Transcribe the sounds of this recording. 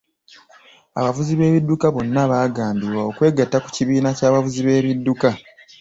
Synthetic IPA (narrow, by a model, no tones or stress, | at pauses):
a̰βavuziβe̞ːβidːukaβo̞nːaβaːɡaːmbiɾwao̞kwe̞ːɡatːaku̥ciβiːnacaːβavuziβe̞ːβidːuka